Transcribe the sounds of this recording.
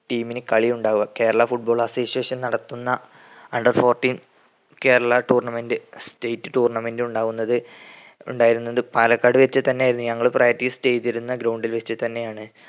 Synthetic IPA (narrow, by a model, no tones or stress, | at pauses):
ʈiːminɨkɐɭiuɳɖaːɣuʋɐke̞ːɾɐɭɐfuʈ̚bo̞ːɭɐsoːsieːʂɐnnɐɽɐt̪ːunːɐ | ɐɳɖɐrfo̞ːrʈːiːn | ke̞ːɾɐɭɐʈuːrɳɐmendɨstejtːɨʈuːrɳɐmendɨuɳɖaːɣunːɐðɨ | ṵɳɖaːjiɾunːɐðɨpaːlɐkːaːɽɨʋet͡ɕːɨt̪ɐnːejaːjiɾunːuɲɐŋːɐɭprɐjɐtːiːstejtːiɾunːɐɡɾɐwɳɖilʋet͡ɕːɨt̪ɐnːe̞jaːɳɨ